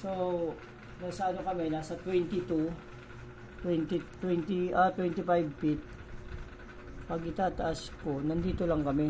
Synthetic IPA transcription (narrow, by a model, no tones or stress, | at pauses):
so | nɐɡsɐɐnokɐmɛnaːsɐt̪wɛnt̪ɪt̪u | t̪wɛnt̪ɪt̪wɛnt̪ɪʔat̪wɛnt̪ɪpajb̚pɪt̪̚ | pɐɡʔɪt̪aːt̪ɐʔasko̞nɐnd̪iːt̪olɐŋkɐmɛ